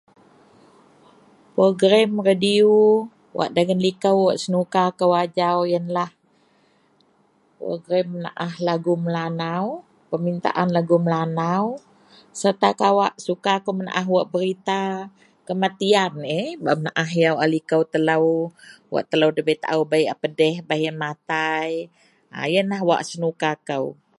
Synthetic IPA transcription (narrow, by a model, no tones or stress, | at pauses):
pɾoɡɾamradiu | wʔa̰ʔdaɡənlikəwːaʔsənukakəwad͡ʒawjənlah | pɾo̰ɡɾaməna̰ʔahlaɡuməlanaw | pəmint̪a̰ʔanlaɡuməlanaw | sərt̪akawaʔsukakəwməna̰ʔaɦwaʔbəɾit̪a | kəmat̪ianebamənaʔaɦjawalikəwt̪ələwwa̰ʔt̪ələwdəbət̪a̰ʔuwbajʔapədɛhbahjəmat̪aj | a̰jənlaɦwa̰ʔsənukakəw